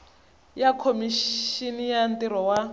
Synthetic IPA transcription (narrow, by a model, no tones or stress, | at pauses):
jakʰomiʃinijantiɾɔwa